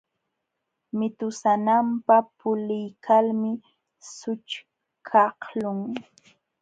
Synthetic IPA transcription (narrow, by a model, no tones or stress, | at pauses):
mɪt̪ʊsanampapʊlɪjkʰalmɪ | sʊt͡ʃ | kʰɑhlʊŋ